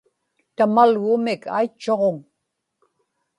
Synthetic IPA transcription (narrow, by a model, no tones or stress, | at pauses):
t̪amalɣʊmɪkʰa̰it͡ʃːoʁoŋ